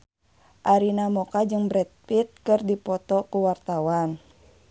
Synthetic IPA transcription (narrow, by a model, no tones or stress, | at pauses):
ʔaɾinamɔkad͡ʒɨŋbɾɛt̪̚pit̪̚kɨrdipɔt̪ɔkuwart̪awan